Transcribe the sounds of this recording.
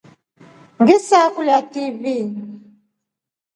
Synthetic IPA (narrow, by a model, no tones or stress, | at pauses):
ŋɡisakulatiβi